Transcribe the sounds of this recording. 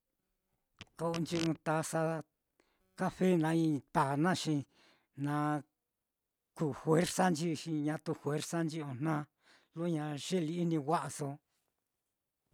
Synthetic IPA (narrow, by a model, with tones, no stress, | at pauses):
ko˧o˧nd͡ʒi˦nũ˧t̪a˧sa˧ | ka˦fe˦nã˧ĩ˧t̪a˨nã˦˨ʃĩ˧ | nã˧ | kuː˧˨hwe˦ɾsa˦nd͡ʒi˦˧ʃĩ˧ɲã˧t̪u˧hwe˦ɾsa˦nd͡ʒi˦õ˧˨n̥nã˦ | lo˦ɲã˧ʃe˦li˧i˦nĩ˧wʷa˦ʔa˧so˧